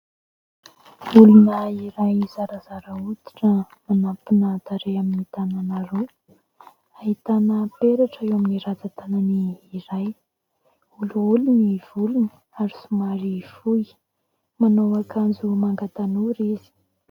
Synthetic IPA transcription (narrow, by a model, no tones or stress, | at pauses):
ulunəiɾajzaɾazaɾəut̪i̥ʈ͡ʂə | manapinat̪aɾeaminit̪ananaɾo | ait̪anəpeɾaʈ͡ʂəewaminiɾad͡zat̪ananiːɾaj | uluuluniv̥uluni̥ | aɾisumaɾifuj | manowakand͡zumaŋɡat̪anuɾizi̥